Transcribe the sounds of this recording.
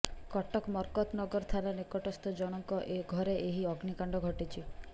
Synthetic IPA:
kɔʈɔkmɔɾkɔt̪nɔɡɔɾt̪ʰalanekɔʈɔst̪ʰɔd͡ʒɔɽ̃ɔŋkɔʔeɡʱɔɾeʔeɦiɔɡnikaɳɖɔɡʱɔʈit͡ʃʰi

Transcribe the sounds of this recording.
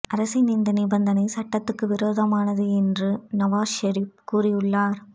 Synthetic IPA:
ʔɐɾɐsɐɪnind̪ɐnɪbɐnd̪ɐnɐɪsɐʈːɐt̪ːɯkːɯʋɪɾoːðɐmaːnɐðɯɛndrɯnɐʋaːʃɐɾip̚kuːrɪjɯɭːaːɾ

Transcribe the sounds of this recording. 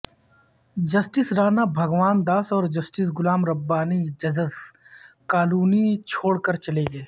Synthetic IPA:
d͡ʒɐsʈɪsɾaːnabʱɐɡʋaːnd̪aːsɔːɾd͡ʒɐsʈɪs̬ɡʊlaːmɾɐbːaːnid͡ʒɐzəzkaːluːnit͡ʃʰoːɽkɐɾt͡ʃɐleːɡeː

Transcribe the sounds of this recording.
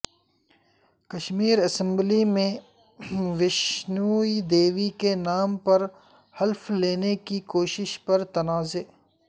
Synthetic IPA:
kɐʃmiːɾɐsə̃mblimẽ | ʋɪʃnuːid̪eːʋikenaːmpɐɾ | hɐlfleːnekikoːʃɪʃpɐɾt̪ɐnaːzeː

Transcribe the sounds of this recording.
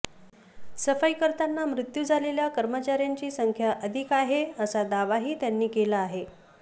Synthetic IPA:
səfəjkəɾt̪anːamɾut̪jud͡zʱaleljakəɾmət͡ɕaɾjaɲt͡ɕiːsəŋkʰjaʔəd̪ʱikaɦeəsad̪aʋaɦiːt̪janːiːkelaːɦe

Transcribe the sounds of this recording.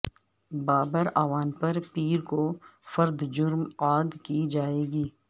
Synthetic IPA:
baːbəɾaːʋaːnpɐɾpiːɾkofɐɾd̪d͡ʒʊɾmaːd̪kid͡ʒaːeːɡiː

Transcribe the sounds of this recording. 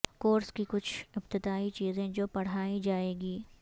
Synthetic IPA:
koːɾskikʊt͡ʃʰɪbt̪ɪd̪aːit͡ʃiːzẽd͡ʒoːpɐɽ̤aːid͡ʒaːeːɡiː

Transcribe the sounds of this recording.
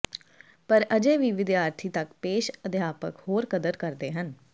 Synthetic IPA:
pəɾəd͡ʒeːʋiːʋɪd̪jaːɾt̪ʰiːt̪əkpeːʃəd̪jaːpə̰khoːɾkəd̪əɾkəɾd̪eːɦən

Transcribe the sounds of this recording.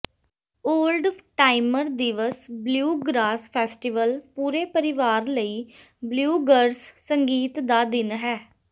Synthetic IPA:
oːlɖʈaːɪməɾd̪ɪʋəsbljuːɡɾaːspʰɛːsʈɪʋəlpuːɾeːpəɾɪʋaːɾləiː | bljuːɡəɾssəŋɡiːt̪d̪aːd̪ɪnɦɛː

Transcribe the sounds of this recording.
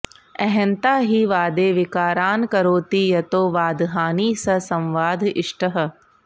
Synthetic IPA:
ɛɦɛ̃nt̪aːɦiːʋaːd̪eːʋɪkaːɾaːnkɐɾoːt̪iːjɐt̪oːʋaːd̪ɦaːniːsɐsɐ̃mʋaːd̪ʱɪʂʈɐɦə̆

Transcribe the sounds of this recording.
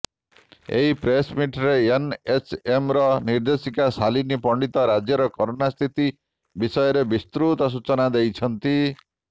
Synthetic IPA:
ḛɦipɾesmiʈɾeenesemɾɔniɾd̪esikasalinipɔɳɖit̪ɔɾad͡ʒjɔɾɔkɔɾonast̪ʰit̪i | bisɔjɔɾebist̪ɾut̪ɔs̬ut͡ʃɔnad̪ejt͡ʃʰɔnt̪i

